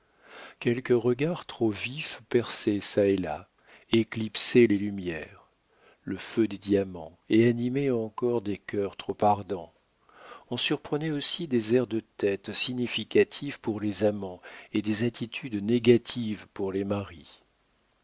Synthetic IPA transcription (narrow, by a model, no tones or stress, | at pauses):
kʲɛlkəʁəɡaʁt̪χovifpɛʁsesaela̰ | eklipselelymjɛʁ | ləfød̪ed̪jamɑ̃ | eanimeɑ̃kɔʁd̪ekʲœʁt̪χopaʁd̪ɑ̃ | ɔ̃syʁpχənɛosid̪ezɛʁd̪ət̪ɛt̪siɲifikat̪ʰivpuʁlezamɑ̃ed̪ezat̪ʰit̪ʰyd̪neɡat̪ʰivpuʁlemaʁi